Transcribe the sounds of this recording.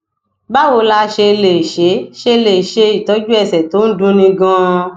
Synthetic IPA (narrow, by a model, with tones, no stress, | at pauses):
ba˦wo˧la˧˦ʃe˧le˨ʃe˨˦ʃe˧le˨ʃe˧i˨tɔ˨˦d͡ʒu˦ɛ˦˨sɛ˨to˨˦n̩˦dũ˧nĩ˧ɡã˦˧˦